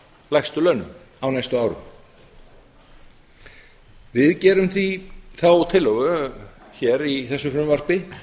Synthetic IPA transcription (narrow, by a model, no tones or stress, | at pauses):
lajxst̪ʏlœːɥnʏ̰m | awnajst̪ʏaːwɾʏ̰ | vɪðcɛːɾʏmθiθawt̪ʰɪlːɔɣʏ | çɛɾiθɛsːʏfɾʏmvar̥pɪ